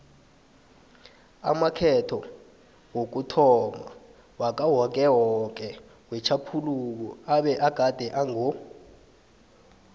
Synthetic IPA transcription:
a̰makʰɛtʰɔ | wok̬utʰɔma̰ | wak̬ʼawɔk̬ɛwɔk̬ɛ | wɛt͡ʃʰapʰuluk̬uaɓɛʔaɡ̥ʱad̥ʱɛʔaŋo

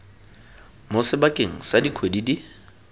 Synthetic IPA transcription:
mʊsɪbakʼeŋ̩sadikʰwedidi

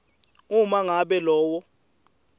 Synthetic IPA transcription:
umaŋaɓɛlɔːwɔ

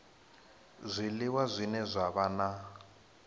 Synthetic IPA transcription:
zʷilɪwazʷinɛzʷaβana

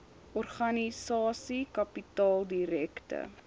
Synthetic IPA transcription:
ʔɔrχɐnisɑːsikɐpitɑːlˠdiɾɛktə̰

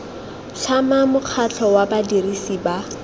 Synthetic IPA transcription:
ɬʰamamʊq͡χʰat͡ɬʰɔwabadirisiba

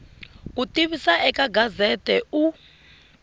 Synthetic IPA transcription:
kutʼiβisaɛkʼaɡazɛtʼɛu

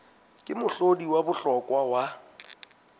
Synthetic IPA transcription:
kʼɪmʊɬodiwabʊɬɔkʼwawa

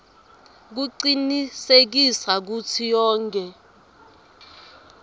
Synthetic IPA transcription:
k̬uǀinisek̬isak̬utʰijɔːŋkʼɛ

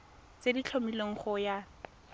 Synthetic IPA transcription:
t͡sedit͡ɬʰomileoŋ̩χʊja

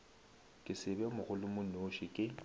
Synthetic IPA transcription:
kʼɪsɪbɛmʊɣʊlʊmʊnoʃɪkʼɪ

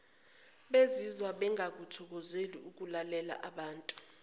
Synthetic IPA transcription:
ɓezizwaɓɛŋʱak̬utʰɔk̬ɔzeliuk̬ulalɛla̰ʔaɓaːntʼu̥

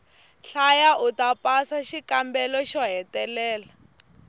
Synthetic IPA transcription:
ɬajaʔutapasaʃikambɛlɔʃɔɦɛtɛlɛːla

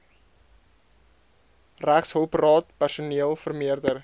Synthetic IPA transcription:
ræχshowprɑːtpærsoneəlˠfərmiərdər

